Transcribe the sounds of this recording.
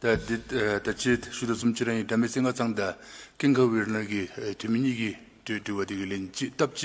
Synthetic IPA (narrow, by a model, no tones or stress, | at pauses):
t̪ad̪it̪at͡ɕʰeɕud̪osumt͡ɕʰiɾajiʈ͡ʂameseŋɡat͡saŋd̪akeŋkʰawirnakit̪ʰymiɲiːki | ʈ͡ʂewad̪ikilent͡ɕiʔt̪ap̚t͡ɕi